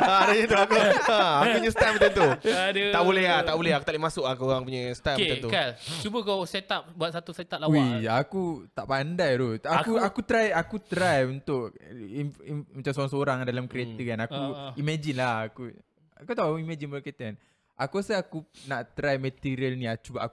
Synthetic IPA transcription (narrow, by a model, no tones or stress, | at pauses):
adaɲət̪uakuəakkupuɲə̃st̪apmːət͡ʃant̪udət̪aʔbolɛɦaaʔbolɛhakut̪aʔleʔmasʊkakuɣaŋpuɲasakat̪ukat͡ʃubəkawset̪ap̚buat̪sat̪uset̪ap̚laiakut̪aʔpandajɾoakuakut̪ɾajakut̪ɾajunt̪ʊʔiimat͡ʃamsoaŋsoɾaŋdalamkɾiat̪əkanakuimãd͡ʒinlahaku | akut̪aʔimɛ̃d͡ʒinbket̪ən | ʔakuasəakunaʔt̪ɾajmət̪iɾiəlnĩat͡ʃubaa̰ku